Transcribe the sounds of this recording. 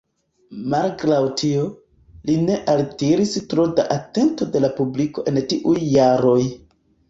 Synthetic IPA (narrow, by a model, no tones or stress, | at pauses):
malkɾawtʰio̞ | line̞ʔaltiɾistɾodaʔate̞nto̞de̞lapubliko̞ʔe̞ntiʔujːaɾo̞j